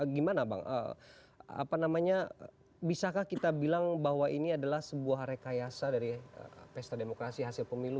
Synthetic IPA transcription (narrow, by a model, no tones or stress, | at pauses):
ɡimanaba̰ŋʔə̰ | a̰panamaɲa | bisakahkit̪abilaŋbaɦwaʔiniadalahsəbuahɾekajasadaɾiə̰pɛst̪ademokɾasiɦasilpəmilu